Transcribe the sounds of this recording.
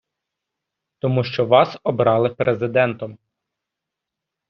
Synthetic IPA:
t̪ɔmuʃt͡ʃɔʋɑsɔbɾɑlˠɪpɾezɪd̪ɛnt̪ɔm

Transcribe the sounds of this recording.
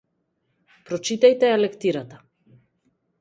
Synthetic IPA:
pɾɔt͡ʃit̪ajt̪ɛalɛkt̪iɾat̪ḁ

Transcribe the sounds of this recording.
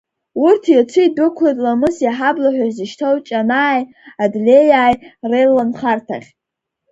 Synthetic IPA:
urtʰit͡ʃʷʰɨidʊkʷʰlejtʼlamɨsjaħablaħʷᶣazɨʃtʰowt͡ʃʼanaːj | adlʲejaːjrelanχartʰa̰χʲ

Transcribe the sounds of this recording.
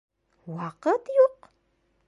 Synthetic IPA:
waqət̪joq

